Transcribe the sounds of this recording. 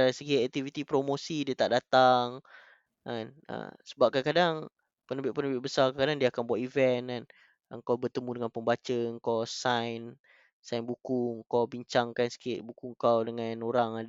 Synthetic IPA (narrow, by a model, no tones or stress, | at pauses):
aɾisəɡiɛk̚t̪ivit̪ipɾomosidiat̪aʔdat̪aŋ | anə̰səbap̚kakadaŋ | pənəbɪʔ̚pənəbɪʔ̚bəsarkakadaŋdiaːkanbuat̪ivɛnan | ə̰ŋkawbərt̪əmũdəŋanpəmbat͡ʃəəŋkawsajn | sajnbukʊŋkawbiɲt͡ʃaŋkansə̥kɪt̪̚bukuŋŋkawdəŋanoɾaŋad